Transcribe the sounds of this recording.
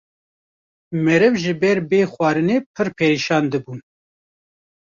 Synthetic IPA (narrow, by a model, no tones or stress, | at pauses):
mɛɾɨvʒɨbɛɾbeːxwɑːɾɨneːpʰɨɾpʰeːɾiʃɑːnd̪ɨbuːn